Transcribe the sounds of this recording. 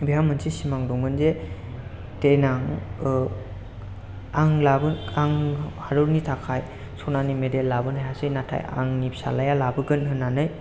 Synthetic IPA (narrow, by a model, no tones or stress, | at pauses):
beɦamɯnsisimaŋdɔŋmɯnze | tenaŋ | aŋlabɯaŋhaɾɯɾnitʰakʰaj | sɔnanimedelːabɯnhajasɯjnatʰa̰ja̰ŋnip̚sa̰lajalabɯɡɯnɦɯnːanɯj